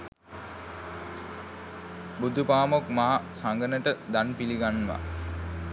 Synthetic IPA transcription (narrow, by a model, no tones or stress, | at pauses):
bud̪ʱupaːmokmaɦasaŋɡənəʈəd̪anpiliɡanʋa̰